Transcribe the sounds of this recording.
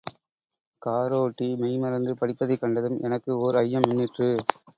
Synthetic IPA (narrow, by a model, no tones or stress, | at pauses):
kaːɾoːʈːimɐɪmɐɾɐnd̪ɯpɐɽɪpːɐðɐɪkːɐɳɖɐðɯmɛ̰nɐkːɯɔɾɯɐjːɐmʊnːɪʈrɯ